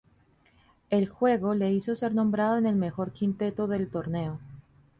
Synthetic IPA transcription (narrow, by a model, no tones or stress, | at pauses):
e̞lxwe̞ɣo̞le̞iso̞se̞ɾnõ̞mbɾaðo̞ene̞lme̞xo̞ɾkint̪e̞t̪o̞ðe̞lt̪o̞ɾne̞o